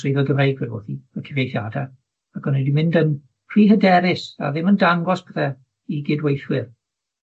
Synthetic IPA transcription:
sɪjðɛlˠɡəvrejɡwɛɔ̰ːθiəkʰəvjejθjaːda | aɡɔnɛdimɪ̃ndən | pʰr̥iːɦədɛɾɪsa̰ðɪməndaŋɡɔsb̥ɛθɛ | iɡɪdwejθwɪr

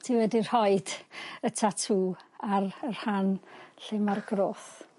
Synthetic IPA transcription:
tʰiwɛdir̥hɔɨd̥ətʰatʰuːarər̥hanɬɪmarɡroːθ

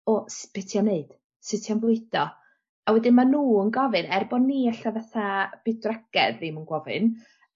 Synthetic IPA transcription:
ɔsb̥ɪtʰjɔneɨd̥ | sɨtʰjanvʊɨd̥ɔ | awɛdɪnmanuːənɡɔvɨnɛrbɔdniːaɬavaθab̥idraɡ̥ɛdðimənɡwɔvɨ̰n

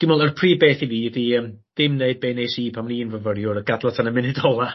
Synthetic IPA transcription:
d̥ɪmɔlˠərpʰr̥iːbeːθiviːðiəːmd̥ɪmneɨd̚beːneːsiːpʰamninvəvərjʊɾəɡadlˠatʰanəmɪnɪdɔlˠa

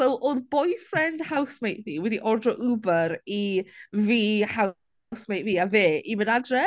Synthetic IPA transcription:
sowʔoðbɔjfrɛnd̥hawsmejʔviːwɛdiʔɔrdrɔʔubəɾiviːha | smejʔviːaveːimənadrɛ

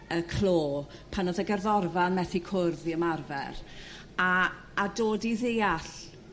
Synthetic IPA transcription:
əkʰl̥ˠoːpʰanɔðɛɡɛrðɔrvanmɛθikʰʊrðiəmarvɛ̰r | aː | doːdiðejaɬ

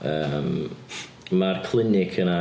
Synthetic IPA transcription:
əːm | markʰl̥ˠɪnɪkʰəna

